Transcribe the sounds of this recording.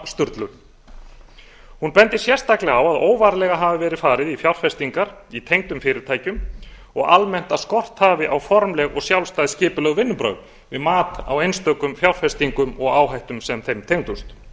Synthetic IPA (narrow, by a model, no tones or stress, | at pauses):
st̪ʏɾt̪lʏɾ | hunpɛnt̪ɪsjɛr̥t̪aklɪawaðoːwvaːɾlɛɣaɦavɪvɛːɾɪ̥faːɾɪðifjawɾ̥fɛst̪iŋkaɾit̪ʰejŋt̪ʏmfɪːɾɪɾ̥t̪ʰaːjcʏm | ɔɣa̰lmɛn̥t̪askɔr̥t̪haːvɪʔawfɔɾmlɛɣɔɣsjawlst̪aːjðscɪːpʏlœɣvɪnːʏmpɾœ̰ɥɣ | vɪðmaːt̪a̰wejnst̪œkʏmfjawr̥fɛst̪iŋkʏmɔɣaːwɦajht̪ʏmsɛmθejnmt̪ʰejŋt̪ust̪